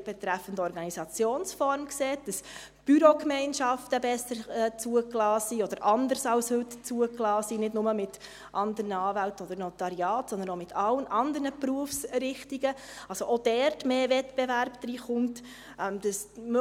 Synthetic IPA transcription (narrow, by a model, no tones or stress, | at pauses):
b̥ɛt̪ɾæfəndəɔɾɡɑnisɑt͡sjoːnsfɔɾmkseːt̚d̥ɑs | b̥yɾokmɛɪnʃɑftəbɛsəɾɛt͡suəklɑːsiɔd̥əɾʔɑnd̪əɾsɑlshɵtt͡suəklɑːsinɪdnʊməmɪt | ʔɑnd̪ənəɑːvæltɔd̪əɾnot̪ɑɾiɑːtsɔndənomɪtʰɑlənʔɑnd̪əɾnəpɾuəfsɾɪχtiɡəɑlsoʔod̥ɛːɾtmeːvɛtb̥ɛvæɾbd̪̥ɾiːχʊmt | ʔɛmd̥ɑsmø